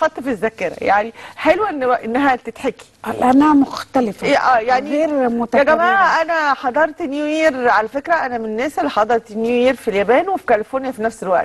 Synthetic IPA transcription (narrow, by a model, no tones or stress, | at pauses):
xɑt̪ˤːfizːækːeɾæ̰jaʕniħelwæʔenːʔenːæɦæt̪et̪ħeki̥ʔlʔænæmoxt̪ælefæʔæːjaʕniɣeːɾmot̪jæɡæmæːʕæʔænæħɑd̪ˤɑɾˤt̪enjujeːɾʕalæfekɾæʔænæmenenːæːselːiħɑd̪ˤɑɾˤt̪enjujeːɾfiljæbæːnwefi̥kælefonjæfinæfselwæ̰ʔt̪